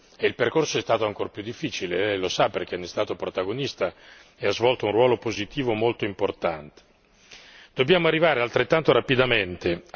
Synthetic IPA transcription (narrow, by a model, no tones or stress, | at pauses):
eilperkorsoɛst̪aːt̪oaŋkorpjud̪ːifːiːt͡ʃileɛlosaperk̟enːest̪aːt̪opɾot̪aɡonist̪a | eazvɔlt̪ounrwɔːlopozit̪iːvomolt̪oimport̪ant̪e̥ | d̪̥objaːmoarːivaːɾealt̪ɾet̪ːant̪oɾapid̪ament̪e